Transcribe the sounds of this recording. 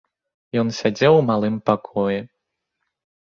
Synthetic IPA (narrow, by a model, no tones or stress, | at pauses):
jɔnsʲad͡zʲɛwmalˠɨmpakʰɔjɛ